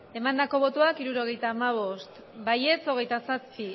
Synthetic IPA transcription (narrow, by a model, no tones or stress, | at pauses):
e̞mand̪ako̞β̞o̞t̪uakiɾuɾo̞ɣ̞e̞jt̪aːmaβ̞o̞st̪ | baje̞t͡so̞ɣ̞e̞jt̪asaspi